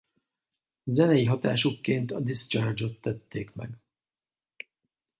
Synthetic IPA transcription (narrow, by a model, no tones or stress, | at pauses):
zɛnɛjiɦɒt̪aːʃukːeːnt̪ɒd̪ist͡ʃard͡ʒo̞t̪ːɛt̪ːeːkmɛ̰ɡ